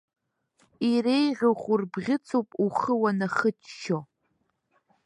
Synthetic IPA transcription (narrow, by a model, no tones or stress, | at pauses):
iɾejʁʲaχʷurbʁʲɪt͡sʰʼowpʼuχəwanaχətʰʃo